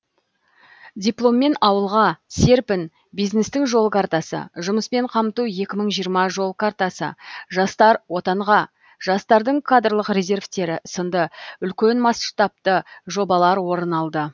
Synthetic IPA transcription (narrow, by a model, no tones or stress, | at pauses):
dʲijplˠo̞mːe̞nɑwəlˠʁɑse̞ɾpɪn | bijzne̞st̪ɪŋʒo̞lˠkʰart̪ɑsə̰ʒʊməspe̞ɴqʰɑmt̪uje̞kʲɪməɴʒijəɾmɑʒo̞lˠkʰaɾt̪ɑsə̰ʒɑst̪ɑɾwo̞t̪ɑɴʁɑ | ʒ̥ɑst̪ɑɾd̪əɴkʰad̪rlˠəqrʲe̞zʲe̞rvt̪e̞ɾɪsənd̪əʏlkʲe̞nmɑsʃt̪ɑp̚t̪əʒo̞bɑlˠɑɾwo̞ɾənɑlˠd̪ə